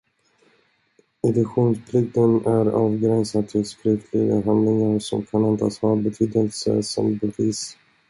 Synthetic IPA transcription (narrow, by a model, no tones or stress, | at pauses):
ɛd̪ɵkɧuːnspʰlʏk̚t̪ənæɾɑːvɡɾɛnsat̪ʰɪlskɾʏft̪ʰlɪɡa̰ɦand̪lɪŋaɾsɔmkʰanɛnd̪a̰ːshɑːbɛt̪ʰyːd̪əlsə̰sɔ̰mbɛviːs